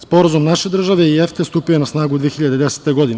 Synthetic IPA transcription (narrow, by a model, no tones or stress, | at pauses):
spo̞ɾazumnaʃed̪r̩ʒaʋeieft̪est̪upijoenasnaːɡud̪ʋiexiʎad̪ed̪ese̥t̪eɡod̪in